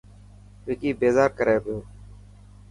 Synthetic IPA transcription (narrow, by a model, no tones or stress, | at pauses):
ʋeːkiːbeːzaːɾkəɾeːpjoː